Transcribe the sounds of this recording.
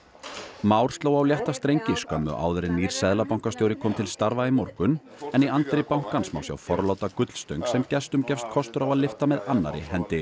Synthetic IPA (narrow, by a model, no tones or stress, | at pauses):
maːwɾ̥st̪laːwawljɛht̪ast̪ɾejɲcɪskœmːʏ̰ʔa̰ːwðʏɾɪnːiːɾ̥sɛðlapawŋ̥kast̪jowɾɪkʰɔːmt̪ʰɪlst̪aɾvaimɔɾkʏn | ɛniant̪ɾɪpawŋ̥kansma̰ːwsja̰wfɔɾlawt̪akʏt̪l̥st̪œɥŋksɛmcɛst̪ʏmcɛfst̪̚kʰɔst̪ʏɾawaðlɪft̪amɛðanːa̰ɾɪ̰ɦɛnt̪ɪ